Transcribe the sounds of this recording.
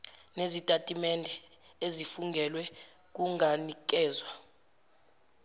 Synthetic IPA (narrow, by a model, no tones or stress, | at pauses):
nezitʼatʼimɛndʱɛ | ezifuŋɡʱɛlwɛ | k̬ʼuŋʱanik̬ʼɛːzwa